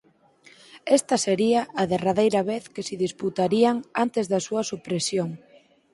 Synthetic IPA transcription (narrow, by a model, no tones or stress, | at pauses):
est̪ɐseɾiɐʔɐðeraðejɾɐβeθkesɪðisput̪aɾiaŋant̪ezðɐsuɐsupɾesjoŋ